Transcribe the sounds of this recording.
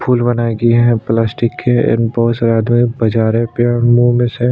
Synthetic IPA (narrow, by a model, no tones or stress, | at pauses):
pʰuːlbɐnaɡiɦɛ̃plaːsʈɪkːẽɪ̰nbɔɦʊsɾaːd̪mɪbɐd͡ʒaːɾẽpeɔmuːmẽse